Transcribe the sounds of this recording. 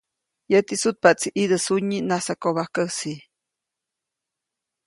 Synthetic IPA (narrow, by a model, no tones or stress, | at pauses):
jət̪isut̪̚paʔt͡siʔid̪əsuɲːinasakoβahkəsi